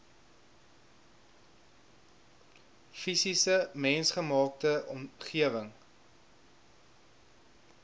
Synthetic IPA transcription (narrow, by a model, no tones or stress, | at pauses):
fisisəmɛnsχəmɑːk̚təʔɔmχiəvəŋ